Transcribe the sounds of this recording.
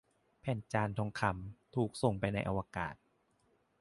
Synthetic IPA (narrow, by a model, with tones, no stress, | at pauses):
pʰɛː˨˩nt͡ɕaː˧nt̪ʰɔː˧ŋkʰa˧˩mt̪ʰuː˨˩k̚so˨˩ŋpa˧jna˧jʔa̰˧waː˧ka̰ː˨˩t̪̚